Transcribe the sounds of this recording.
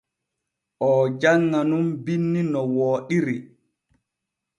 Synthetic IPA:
ʔɔːd͡ʒaŋːanumbinːinɔwɔːɗiɾi

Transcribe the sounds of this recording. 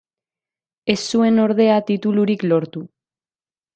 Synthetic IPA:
e̞sːue̞no̞ɾð̞e̞at̪it̪uluɾiklo̞ɾt̪u

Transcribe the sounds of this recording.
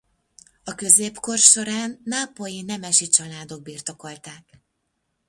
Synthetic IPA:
ɒkø̞zeːpko̞rʃo̞ɾaːnːaːpo̞jinɛmɛʃit͡ʃɒlaːd̪o̞ɡ̚biːrt̪o̞ko̞lt̪aːk

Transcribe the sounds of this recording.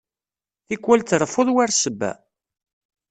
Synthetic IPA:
ikːwælt̪rˤəfʊðˤwaɾsəbːæ̰

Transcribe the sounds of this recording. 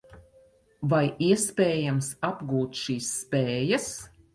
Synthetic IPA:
vajiɛspʲɛːjamsabɡuːt̪ʃiːsːpɛːjas

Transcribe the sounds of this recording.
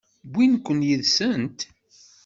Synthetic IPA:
bʷːinkʷːənjiðsənt̪

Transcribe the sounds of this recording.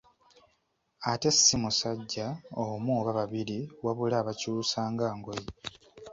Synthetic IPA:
ate̞simusaɟːaomuːβaβaβiɾiwaβulaːβacuːsaːŋɡaːŋɡoji

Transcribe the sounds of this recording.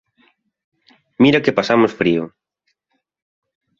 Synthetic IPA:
miɾakepasamosfɾiʊ

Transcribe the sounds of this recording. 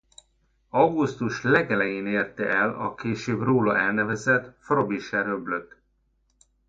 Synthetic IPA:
ɒwɡust̪uʃlɛɡɛlɛjeːneːrt̪ɛʔɛlɒ̰keːʃøːbroːlɒʔɛlnɛvɛzɛt̪frobiʃɛɾøbløt̪ː

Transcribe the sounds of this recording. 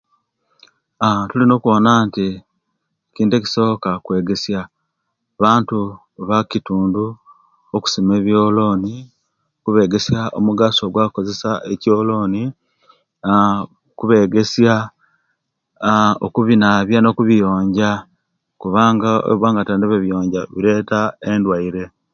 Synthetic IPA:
atulino̞ːkuo̞ːnaːnti | eciːnteci̥so̞ːkakwe̞ːɡe̞sja | βaːntu | βacituːndu | oku̥sime̞ːβjo̞ːlo̞ːni | kuβe̞ːɡe̞sjaʔomuɡaso̞ːɡwako̞ze̞saʔeco̞ːlo̞ːni | kuβe̞ɡe̞sja | o̰kuβinaβjano̞kuβijo̞ːɲɟa | kuβaːŋɡao̰βwaːŋɡatandiβeβjo̞ːɲɟaβiɾe̞tae̞ndwaiɾe̞

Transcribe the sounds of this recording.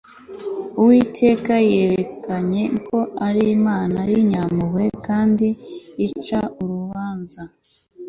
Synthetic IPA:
uwitʰe̞ːkaje̞ːɾekaɲe̞ŋko̞ʔaɾimaːnaɾiɲamuwe̞kaːndiːt͡ʃauɾuβaːnza

